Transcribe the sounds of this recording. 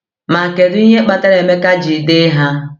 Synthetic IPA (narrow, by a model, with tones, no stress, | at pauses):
ma˨ke˨dʊ˦i˦ɲe˦k͡pa˦˨ta˦ɾe˨me˦ka˦d͡ʒi˨dɪ˦ɦa˦